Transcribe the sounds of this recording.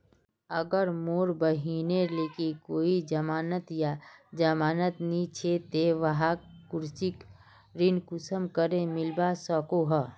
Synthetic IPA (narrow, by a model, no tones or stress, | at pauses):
əɡəɾmoːɾbəɦiːneleːkikoːid͡ʒəmaːnət̪jad͡ʒəmaːnət̪nit͡ʃʰet̪eʋəɦakʊɾsik | ɾinkʊsəmkəɾemɪlbasɔkoɦə